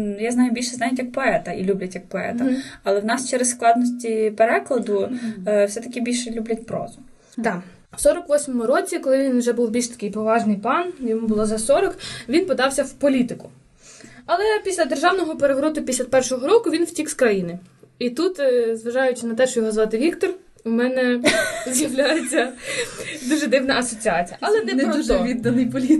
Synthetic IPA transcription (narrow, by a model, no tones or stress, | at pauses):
jaznɑjʊbʲilʲʃɛznajɐtʲjɐk̚pɔɛt̪ɐʔilʲublʲɐtʲjɐk̚pɔɛ̰t̪ɐɐlˠɛwnɑst͡ʃɛɾessklˠɑd̪nɔsʲtʲipeɾɛklˠɐd̪ʊwsɛt̪ɐkʲibʲilʲʃɛlʲublʲɐt̚ʲpɾɔ̰zʊ | d̪ɑ | wsɔɾɔkʋɔsʲmɔmʊɾɔt͡sʲikɔlˠɪʋʲinwʒɛbuwbʲilʲʃt̪ɐ̥kɪjpɔʋɑʒnɪjp̪ˠɑnjɔmubʊlˠɔzɐsɔɾɔkʋʲinpɔd̪ɑwsʲɐwpɔlʲit̪ɪkʊ | ɐlˠɛpʲisʲlʲɐd̪erʒɑwnɔɦɔpeɾeɦɾɔt̪ʊpʲisʲlʲɐpɛrʃɔɦɔɾɔkʊʋʲinwtʲikskɾɐjinɪit̪ut̪zʋɐʒɑjʊt͡ʃɪnɐt̪ɛʃt͡ʃɔjɔɦɔzʋɑt̪ɪʋʲikt̪ɔr | ʊmɛnɛzjɐʋlʲajet͡sʲːɐ | d̪uʒɛd̪ɪwnɐɐsɔt͡sʲiɑt͡sʲijɐʔɐlˠɛnɛnɔɔuʒɛʋʲid̪ːɐnɪjpɔlʲit̪